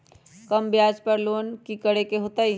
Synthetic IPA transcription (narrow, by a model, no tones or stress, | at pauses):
kɐmbjaːd͡ʒpɐɾloːnkikɐɽekeɦoːt̪ai